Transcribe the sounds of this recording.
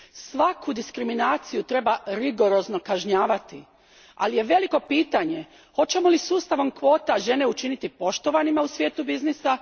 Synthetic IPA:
sʋakʰud̪iskɾiminaːt̪sijut̪ɾe̞baɾiɡo̞ɾo̞zno̞kaʒɲaːʋat̪i | a̰lije̞ʋe̞liko̞piːt̪aɲe̞ | ho̞t͡ɕe̞molisuːst̪aʋo̞mkʋo̞ːt̪aʒe̞ne̞ut͡ʃinit̪ipo̞ʃt̪o̞ʋanimausʋjeːt̪ubiznisa

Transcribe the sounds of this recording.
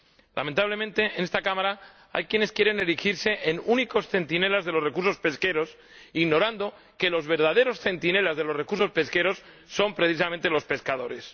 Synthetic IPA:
lʔa̰ment̪aβle̞mẽnt̪eene̞st̪akamaɾa | a̰jkjene̞skjeɾe̞ne̞ɾixiɾse̞ʔenuniko̞sθe̞nt̪ine̞lazðe̞lo̞sre̞kuɾso̞spe̞ske̞ɾo̞s | iɣno̞ɾand̪o̞ | ke̞lo̞zβe̞ɾðað̞e̞ɾo̞sθe̞nt̪ine̞lazðe̞lo̞sre̞kuɾso̞spe̞ske̞ɾo̞sː | o̞mpɾe̞θis̬amẽnt̪e̞lo̞spe̞skað̞o̞ɾe̞s

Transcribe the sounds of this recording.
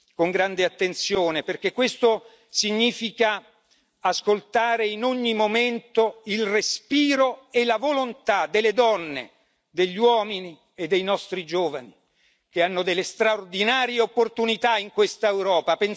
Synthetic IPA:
koŋɡɾand̪eat̪ːent̪sjoːneperk̟ekːwest̪o | siɲːiːfika | askolt̪aːɾeinoɲːimoment̪oilrespiːɾoelavolont̪ad̪elːed̪ɔnːḛ | d̪eʎːwɔːmini | ed̪ːejnɔst̪ɾid͡ʒoːvani | k̟eanːod̪elːest̪ɾaord̪inaːɾieopːort̪unit̪aiŋkwest̪aewɾɔːpapen

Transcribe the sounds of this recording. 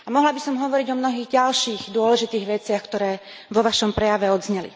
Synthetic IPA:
amɔɦlabisɔmɦɔʋɔɾiɟɔmnɔɦiːɣɟalʃiːɣd̪ʊɔlɛʒit̪iːɣʋɛt͡sɪaxkt̪ɔɾɛː | ʋɔʋaʃɔmpɾɛjaʋɛɔd̪zɲɛlḭ

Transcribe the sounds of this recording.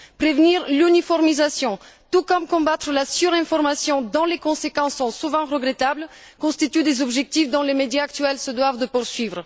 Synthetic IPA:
pχevniʁlynifɔʁmizasjɔ̃t̪ukɔmkɔ̃bat̪χəlasyʁɛ̃fɔʁmasjɔ̃d̪ɔ̃lekɔ̃sekɑ̃sːɔ̃suvɑ̃ʁəɡʁet̪abl | kɔ̃st̪it̪yd̪ezɔbʒɛk̚t̪ifd̪ɔ̃lemed̪jaːk̚t̪ɥɛlsəd̪wavd̪əpuʁsɥivʁə

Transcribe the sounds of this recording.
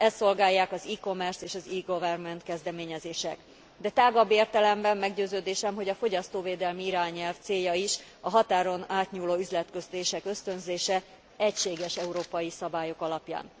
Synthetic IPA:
ɛst̪ːo̞lɡaːjːaːkɒziːko̞mɛrseːʃɒziːɡovɛrmɛnt̪kɛzd̪ɛmeːɲɛzeːʃɛ̰k | d̪ɛt̪aːɡɒbːeːrt̪ɛlɛmbɛmːɛɡɟøːzøːd̪eːʃɛmɦo̞ɟɒfo̞ɟɒst̪oːveːd̪ɛlmiiɾaːɲɛlft̪seːjːɒiʃ | ɒɦɒt̪aːɾo̞naːt̪ɲuːloːyzlɛt̪køzt̪eːʃɛkø̞st̪ø̞nzeːʃɛ | ɛcʃeːɡɛʃɛuɾoːpɒjisɒbaːjo̞kɒlɒpja̰ːn

